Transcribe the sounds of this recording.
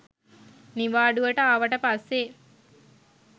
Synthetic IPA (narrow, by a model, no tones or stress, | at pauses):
niʋaːɖuʋəʈəaʋəʈəpasːe